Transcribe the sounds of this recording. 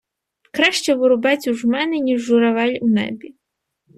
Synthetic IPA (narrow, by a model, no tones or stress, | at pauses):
kɾaʃt͡ʃɛʋɔɾʊbat͡sʲuʒmɛnɛnʲiʒːʊɾaʋɛlʲʊnɛ̰bʲi